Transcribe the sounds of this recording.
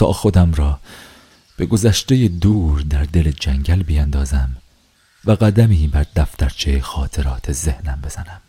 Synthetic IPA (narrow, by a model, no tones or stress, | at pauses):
sɒ̰ːxo̞d̪æmɾɒː | b̥e̞ɡo̞zæʃt̪e̞jed̪uːɾd̪æɾd̪e̞led͡ʒæŋɟælbijænd̪ɒːzæm | væɣæd̪æmiːbæɾd̪æft̪æɾt͡ʃʰejexɒːt̪ʰe̞ɾɒːt̪ʰeze̞hnæmbe̞z̥ænæm